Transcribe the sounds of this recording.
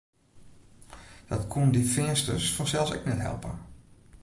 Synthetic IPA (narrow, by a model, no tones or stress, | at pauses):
d̥ɔtkʰundifɪəstəsfɔnsɛlˠsɛ̰knɛtɦɛ̰lˠpə̰